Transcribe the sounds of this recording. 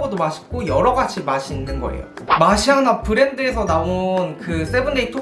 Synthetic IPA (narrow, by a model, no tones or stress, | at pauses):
ɡodomaɕʰi̥k͈ojʌɾʌɡad͡ʑʰimaɕʰiːnːɯnɡʌ̰ḛjo̰ | maɕʰiɦanapɯɾe̞ndɯesʰʌnaonkɯs͈e̞bunːeitʰo